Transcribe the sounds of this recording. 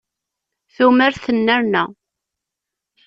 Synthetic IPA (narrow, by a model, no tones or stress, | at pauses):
θuməɾθənːəɾnæ̰